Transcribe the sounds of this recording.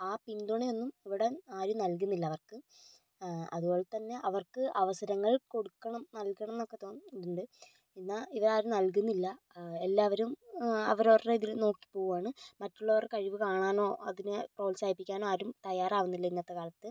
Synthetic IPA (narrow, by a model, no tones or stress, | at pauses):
aːpind̪uɳejonːumiʋiɽe̞aːɾunɐlk̬unːilːɐʋɐrkɨ | ɐ̰ðubo̞ːɭet̪ɐnːe̞ʔɐʋɐrkɨʔɐʋɐsɐɾɐŋːɐɭko̞ɽukːɐɳɐmnɐlkɐɳɐmenːokːe̞t̪o̞ːnːuɳɖɨ | inːaiʋɐaːɾunɐlk̬unːilːɐ | e̞lːaːʋɐɾumɐ̰ʋɐɾoːreiðilno̞ːkːi̥po̞ːɣuʋaːɳɨmɐtːuɭːɐʋɐrkɐɻiʋɨkaːɳaːno̞ːɐðinɨpro̞ːlsaːjipːikʲːaːno̞ːaːɾumt̪ɐjaːraːʋunːilːɐinːɐt̪ːɐkaːlɐt̪ːɨ